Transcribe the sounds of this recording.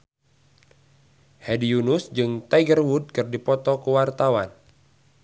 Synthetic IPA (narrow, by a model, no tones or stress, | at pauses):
hɛdiunusd͡ʒɨŋt̪ajɡərwud̚kɨrdipɔt̪ɔkəwart̪awan